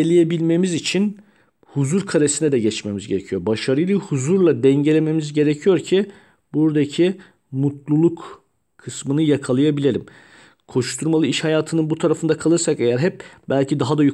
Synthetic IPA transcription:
elʲijebilʲme̞mizit͡ʃʰin | huzuɾkʰaɾesinɛd̪ɛɟɛt͡ʃme̞mizɟe̞ɾecʰijo̞ɾbaʃaɾɯjlˠɯhuzuɾlˠad̪ɛɲɟe̞lʲe̞me̞mizɟe̞ɾecʰijo̞ɾcʰi | buɾd̪acʰi | mut̪lˠulˠuk | kʰɯsmɯnɯjakʰalˠajabilʲe̞ɾʲim | kʰo̞ʃt̪ʰuɾmalˠɯiʃhajaːt̪ʰɯnɯnbut̪ʰaɾafɯnd̪akʰalˠɯɾsake̞jæɾɦɛp̚bælʲcʰid̪aɦad̪aju

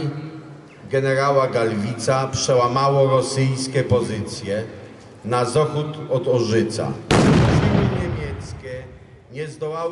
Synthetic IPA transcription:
ɡɛnɛɾawaɡalvʲit̪sapʂɛwamawɔɾɔsɘjskʲɛpɔzɘt̪sʲjɛ | nazɔxut̪ɔd̪ɔʐɘt̪sa̰ʂɘɡɘɲemʲjɛt̪skʲɛ | ɲɛzd̪ɔwaw

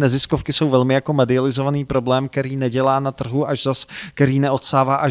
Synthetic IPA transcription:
nɛzɪskofkɪsowvɛlmɪjako̞mɛdɪalɪzo̞vaniːpɾo̞blɛːmk̚t̪ɛɾiːnɛɟɛlaːnat̪r̩ɦuʔaʒzaskt̪ɛɾiːnɛʔo̞t̪saːvaːʔa

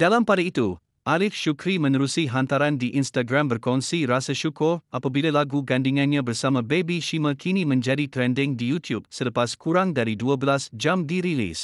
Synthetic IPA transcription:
d̥alampadait̪u | ʔalɪfʃukɾimə̃nəɾusiɦãnt̪aɾandiʔinstaɡɾãmbərkɔnsiɾasəʃukʊrʔapabilalaɡuɡandiŋãnɲãbərsamãbebiʃimə̃kʰinĩmə̃nd͡ʒadit̪ɾɛndɪ̃ŋdijut̪ʰjub̚sələpaskuɾaŋdaɾiduəbəlasd͡ʒamdiɾilḭs

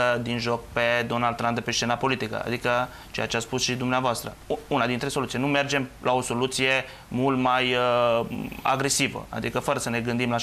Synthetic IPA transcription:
əd̪inʒo̞k̚ped̪o̞nald̪t̪ːɾamp̚d̪epeʃt͡ʃe̞napo̞lit̪ikə̰a̰d̪ikə | t͡ʃe̞jat͡ʃeat̪spusʃid̪umneavoast̪ɾə̰unad̪int̪ɾe̞so̞lut̪sijnume̞rd͡ʒe̞mlʔao̞so̞lut̪sije̞ | mult̪majə | a̰ɡɾe̞sivə̰a̰d̪ikəfəɾəsəne̞ɡɨnd̪imla

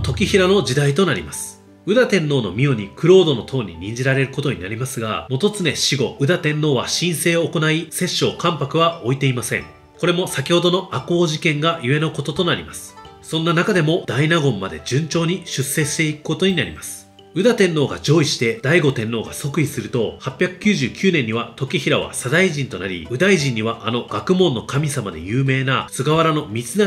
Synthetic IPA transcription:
t̪o̞kʲiçiɾano̞d͡ʑid̪ait̪o̞naɾʲḭmasɨ̥ | ɯ̟d̪at̪ẽ̞nːo̞ːno̞̰mʲioɲ̟ikɯ̟ɾo̞ːd̪o̞no̞t̪ʰo̞ːɲ̟ḭɲ̟ĩɲ̟d͡ʑiɾaɾe̞ɾɯ̟ko̞t̪o̞ɲ̟inaɾʲimasɨɡa̰mo̞t̪o̞t͡sɨne̞ɕiɡo̞ʔɯ̟d̪at̪ẽ̞nːo̞ːβaɕĩɰ̃se̞ːoːko̞naise̞ɕːo̞ːkãmpakɯ̟βao̞it̪e̞imasẽ̞̰ŋ | ko̞ɾe̞mo̞sakʲiho̞d̪o̞no̞ʔakoːʑikẽ̞ŋɡajɯe̞no̞ko̞t̪o̞t̪o̞naɾʲimasɨ̥sõ̞nːanakad̪e̞mo̞d̪̥ainaɡõ̞mːad̪e̞̰d͡ʑɨ̃ɲ̟t͡ɕo̞ːɲ̟iɕɨsːe̞ɕi̥t̪e̞ikɯ̥ko̞t̪o̞ɲ̟inaɾʲimasɨ̥ | ɯ̟d̪at̪ẽ̞nːo̞ːɡa̰d͡ʑo̞ːiɕi̥t̪e̞d̪̥aiɡo̞t̪ẽ̞nːo̞ːɡaso̞kɯ̟isɨɾɯ̟t̪ohapʲjakɯ̟̥kʲɨːʑɨːkʲɨːnẽ̞ɲ̟ːiβat̪o̞kʲiçiɾaβa̰sad̪aiʑĩnt̪o̞na̰ɾʲḭɯ̟d̪aiʑĩɲ̟ːiβaʔano̞ɡ̥akɯ̟mõ̞nːo̞kamʲisamad̪e̞̰jɯ̟ːme̞ːnat͡sɨɡaβaɾano̞mʲit͡sɨna

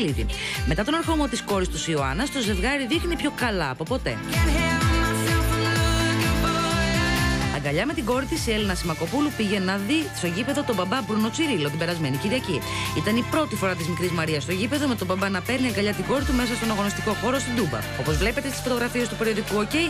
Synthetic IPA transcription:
liðḭmet̪ɐt̪o̞nɐɾxo̞mo̞t̪isko̞ɾist̪usioɐ̰nɐst̪o̞ze̞fɣɐɾiðixnipço̞kɐlɐːpo̞po̞t̪e̞̰ | ɐɡɐʎɐme̞t̪iɡo̞ɾit̪isie̞linɐsimɐko̞pulupiʝe̞nɐðist̪oʝipe̞ðo̞t̪obɐbɐbɾuno̞t͡siɾilo̞t̪ibe̞ɾɐzme̞niciɾiɐciit̪ɐnipɾo̞t̪ifo̞ɾɐt̪izmikɾizmɐɾiɐst̪o̞ʝipe̞ðo̞me̞t̪o̞bɐbɐnɐpe̞ɾniɐŋɡɐʎɐt̪iɡo̞ɾit̪ume̞s̬ɐst̪o̞noɾɣɐnost̪iko̞xo̞ɾo̞st̪ind̪ubɐ̰o̞pozvle̞pe̞t̪e̞st̪isfo̞t̪o̞ɣɾɐfie̞st̪upe̞ɾio̞ðikuo̞ce̞

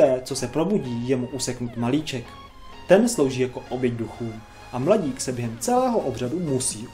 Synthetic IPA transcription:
ɛːt͡so̞sɛpɾo̞buɟiːjɛmuʔusɛknuːt̪maliːt͡ʃɛk | t̪ɛnslowʒiːjako̞ʔobjɛɟduxuːm | ʔamlaɟiːksɛbjɛɦɛmt͡sɛlɛːɦoʔobr̝adumusiː

